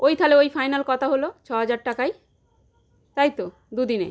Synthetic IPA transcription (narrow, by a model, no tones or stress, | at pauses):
ojt̪ʰaleojfajnalkɔt̪ʰaɦolot͡ɕʰɔɦad͡ʑaɾʈakaj | t̪ajt̪o | d̪ud̪inḛ